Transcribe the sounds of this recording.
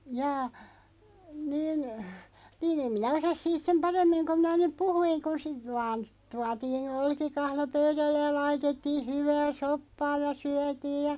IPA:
jɑː niːn niːn em minæ osɑs siːt sem pɑremːiŋ kom̆ minæ nyp puhuiŋ ku sit ʋɑːn tuɑtiːn olkikɑhlo pøyɾælːej jɑ lɑitetːiːh̆ hyʋæː sopːɑː jɑ syætiːj jɑ

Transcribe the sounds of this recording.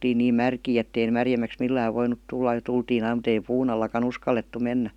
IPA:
oltiːn niːn mærkiː etːei mærjemˑæks milːæːʋ ʋoinut tulːɑ jɑ tultiːn ɑim mut ei puːn ɑlːɑkɑn uskɑlːetːu menːæ

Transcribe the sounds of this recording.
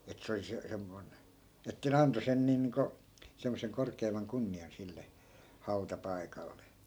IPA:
et se oli se semːoi̯n etːæ ne ɑnto sen niːn̆ niːŋko semːoseŋ korkeimˑɑŋ kunːiɑn silːe hɑu̞tɑpɑikɑlːe

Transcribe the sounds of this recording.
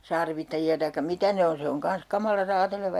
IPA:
sɑrʋitːɑjiɑ tɑikːɑ mitæ ne on se oŋ kɑns kɑmɑlɑ rɑːteleʋɑ

